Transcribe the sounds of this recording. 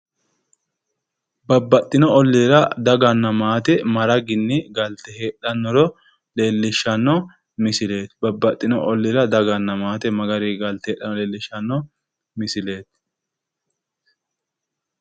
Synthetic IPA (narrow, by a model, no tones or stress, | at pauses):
bɐbːɐt̪ʼːɪnɔɔlːiːɾɐd̪ɐɡɐnːɐmaːt̪ɛmɐɾɐɡɪnːɪɡɐlt̪ɛɦe̞ːɗɐnːɔɾɔ | le̞ːlːɪʃːɐnːɔ | mɪsɪle̞ːt̪bɐbːɐt̪ʼːɪnɔʔɔlːiɾɐd̪ɐɡɐnːɐmaːt̪ɛmɐɡɐɾiɡɐlt̪ɛeːɗːɐnɔleːlːɪʃːɐnːɔ | mɪsɪle̞ːt̪̚